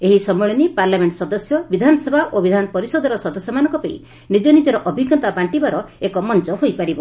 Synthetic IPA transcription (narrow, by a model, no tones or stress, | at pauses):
eɦisɔmeɭɔnipaɾlameɳʈsɔd̪ɔsjɔbid̪ʱanɔsebʱaʔobid̪ʱanɔpɔɾisɔd̪ʱɔɾɔsɔd̪ɔsjɔmanɔ̃ŋkɔpeḭ | nid͡ʒɔnid͡ʒɔɾɔʔɔbʱiɡɔt̪apaɳʈibaɾɔekɔmɔnt͡ʃɔɦojpaɾibɔ